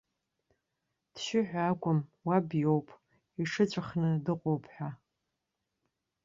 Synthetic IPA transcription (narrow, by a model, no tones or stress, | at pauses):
d̥ʃɪħᶣʷaːkʷʼʊmwabjowpʼ | iʂɨt͡ʃʷʼaχnɨdɨqʷʼowpʰħʷᶣa